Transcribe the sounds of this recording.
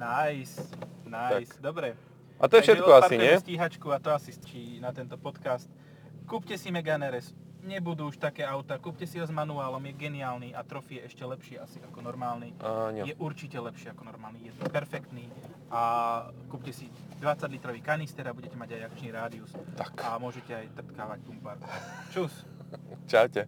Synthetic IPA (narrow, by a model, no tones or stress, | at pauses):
najsnasd̪ɔbɾɛ | ʔa̰t̪ɔjɛʃɛɛkɔapaɾiɲɛɛsciːɦat͡ʃkuat̪ɔasist͡ʃinat̪ɛnt̪ɔpɔt̪kast̪ | kuːpcɛsimɛɡanɛɾɛs | ɲɛbud̪uːʃt̪akɛːaʊt̪akuːpcɛsiʋazmanuaːlɔmjɛɡɛnɪaːlniʔat̪ɾɔfijɛʔɛʃcɛlɛpʃɪɛasiakɔnɔɾmaːlniɲɛjɛʔuɾt͡ʃicɛlɛpʃɪɛakɔnɔɾmaːlnijɛt̪ɛpɛɾfɛkt̪niː | ʔakuːpcɛsi | d̪ʋat͡saɟlit̪ɾɔʋiːkanist̪ɛɾabuɟɛcɛmaɟajak̚t͡ʃniːɾaːd̪iust̪akamʊɔʒɛcɛajt̪r̩t̪kaːʋaɟbumpaɾkt͡ʃus | t͡ʃawcɛ